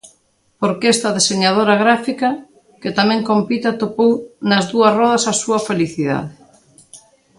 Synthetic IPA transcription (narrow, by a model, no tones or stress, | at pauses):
poɾkest̪ɐðeseɲað̞oɾaɣ̞ɾafikɐ | ket̪amɛ̃ŋkompit̪at̪opownɐzðuɐrɔðɐsasuɐfeliθiða̰ð̞ɪ